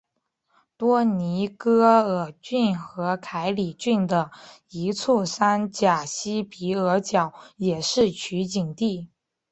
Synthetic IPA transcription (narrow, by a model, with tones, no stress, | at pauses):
t̪wɔ˥ni˧˥kɤ˥ə˨˩t͡ɕy˥˩nxɤ˧˥kʰa˧˥ɪli˨˩t͡ɕy˥˩nd̪ə˩ | i˧˥t͡sʰu˥˩sa˥nt͡ɕja˨˩ɕi˥pi˧˥ə˧˥t͡ɕjɑ˨˩˦ʊjɛ˨˩ʂɻ̩˥˩t͡ɕʰy˧˥t͡ɕi˨˩ŋt̪i˥˩